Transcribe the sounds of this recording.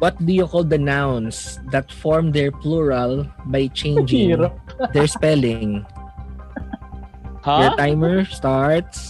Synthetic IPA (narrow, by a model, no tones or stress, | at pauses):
wɔt̪̚d̪ujʊkɔld̪ɐnawnsd̪ɐt̪fɔɹmd̪ɛɹpluɹalbajt͡ʃẽjnd͡ʒɪ̃ŋɾd̪ɛɹspɛlɪ̃ŋ | haɛt̪ajmɛɹst̪aɹt̪s